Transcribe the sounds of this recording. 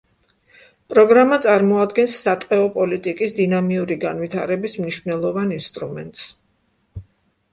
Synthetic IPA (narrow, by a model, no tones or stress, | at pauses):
pʼɾɔɡɾamat̪sʼaɾmɔad̪ɡɛnsːat̪ʼqʼɛɔpʼɔlit̪ʼikʼisd̪inamiuɾiɡanvit̪ʰaɾɛbismniʃvnɛlˠɔvaninst̪ʼɾṵmɛ̰nt̪ʼs